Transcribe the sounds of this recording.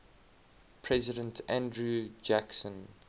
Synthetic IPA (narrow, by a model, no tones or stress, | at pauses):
pʰɹɛzɪdə̃ntʰæ̃ndɹud͡ʒæksə̃n